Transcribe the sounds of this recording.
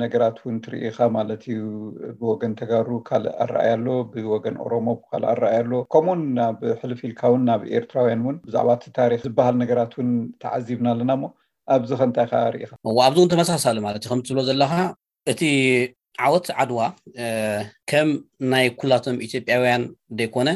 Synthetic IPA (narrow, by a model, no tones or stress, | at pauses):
nɐɡɐɾat̪wʊnt̪ʰɨɾḭʔixamalɐt̪ʰijubɨwɔɡɐnt̪ʰɐɡaɾukʰala̰ɾ̰ʔa̰jalːo̞bɨwɔɡɐnʔo̞̰ɾo̞mo̞bɨkʰa̰la̰ɾːʔajalːo̞kʰomunaβħɨlfilkʰawunːaβḛɾt̪ʰɾawijanwʊnbɨza̰ʕβat̪t̪ʰaɾixzɨbːahalnɐɡɐɾat̪wʊnt̪ʰɐ̰ʕazːiβnalːɐnamːo̞ | ʔaβzixɐnt̪ʼajxaɾḭʔḭxaʔɨwːoaβziwnt̪ʰɐmɐsasalumalɐt̪jukʰɐmt̪ʰɨβlozɐlːɐxa | ʔɨt̪ʰi | ʕawɔt̪ʕad̪wa | kʰɐmnajkʰulːat̪ʰo̞mʔit̪ʰjo̞pʼjawjand̪ɐjkʰo̞nɐ